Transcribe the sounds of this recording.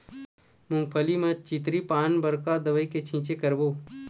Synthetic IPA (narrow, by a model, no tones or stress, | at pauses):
mʊmpʰəlimẽt͡ʃit̪ɾipaːnbəɾkad̪əʋəiket͡ʃʰĩːt͡ʃekəɾboː